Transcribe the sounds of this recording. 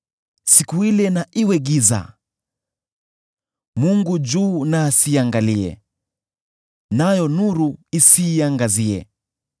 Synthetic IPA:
sikuilɛnaʔiwɛɠiza̰ | muŋɡud͡ʒuːnaːsiaŋɡaliɛ̰ | najɔnuɾuisiːaŋɡaziɛ̰

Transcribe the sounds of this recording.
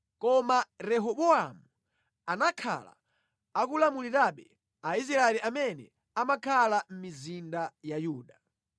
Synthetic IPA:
kɔmaɾɛɦɔɓɔamu | anakʰa̰la̰ | akulamuliɾaɓɛ̰ | ais̬ɾaɛliamɛnɛ̰ | amakʰalam̩mizindajajuːɗa

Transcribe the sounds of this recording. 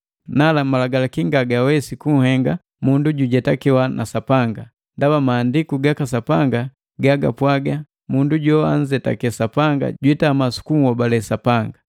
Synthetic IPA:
nalamalaɡalakiŋɡaɡawɛsikuŋ̩hɛŋɡa | munduɟuɟɛtakiwanʔa̰sapaŋɡa | ndabamaːndikuɡakas̬apaŋɡa | ɡaɡa̰pwaɡa | munduɟɔa̰n̩d͡ʒɛta̰kɛsapaŋɡa̰ɟwitamasu̥kumuwabalɛsapaŋɡa

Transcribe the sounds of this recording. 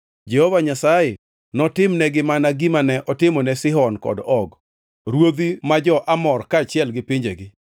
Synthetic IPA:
d͡ʒɛhɔvaɲasajɪ | nɔtɪmnɛɡɪmanaɡimanɛʔɔtɪmɔnɛsɪɦɔnkɔ̰dɔɡ | ɾwod̪imad͡ʒɔʔamɔrkaːt͡ʃɪɛlɡɪpiɲd͡ʒeɡɪ

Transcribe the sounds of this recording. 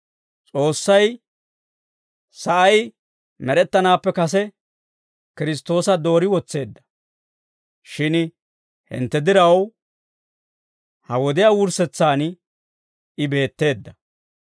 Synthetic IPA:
t͡sʼo̞ːsːɐj | sɐʔɐj | mɛɾɛt̪ːɐnaːpːɛkɐs̬ɛ | kɪɾɪs̬t̪ːo̞ːsɐd̪o̞ːɾɪwɔt͡sːe̞ːd̪ːɐ̥ | ʃɪn | hɪ̰nt̪ːɛd̪ɪɾɐw | hɐwɔd̪ɪjaːwʊɾsɛt͡sːaːn | ɪbe̞ːt̪ːe̞ːd̪ːɐ

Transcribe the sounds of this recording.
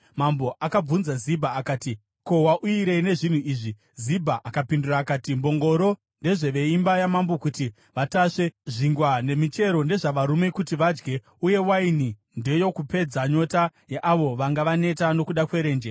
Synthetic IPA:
mambo̞ʔakab͡vunzazibʱaːkaːti | ko̞waʔuiɾe̞ne̞ʐin̤uiːʐi | zibʱaʔakapinduraːkaːtimbo̞ŋɡo̞ɾo̞ | nde̞ʐe̞ʋe̞imbajamambokuti | ʋataʂe̞ʐiŋɡwane̞mit͡ʃe̞ɾo̞nde̞ʐaʋaɾume̞kutiʋad͡ʒɡe̞ | uje̞waini | nde̞jo̞kupe̞d͡zaɲo̞tajeʔaʋo̞ʋaŋɡaʋane̞tano̞kuɗakwe̞ɾe̞ːnd͡ʒe

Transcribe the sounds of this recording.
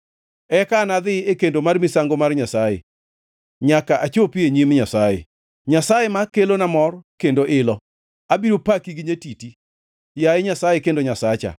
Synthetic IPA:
ɛkanad̪ɪekendomarmɪsaŋɡomarɲasajḛ | ɲakaʔat͡ʃopieɲimɲasajḛ | ɲasajemakelonamɔrkendoʔɪlɔ | abiɾopakiɡiɲetiti | jaɪɲasajekendoɲasat͡ʃa̰

